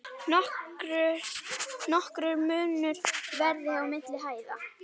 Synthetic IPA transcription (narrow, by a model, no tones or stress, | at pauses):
ɾʏ | nɔhkɾʏɾmʏːnʏɾ̥vɛɾðɪawmɪt̪lɪɦaːjða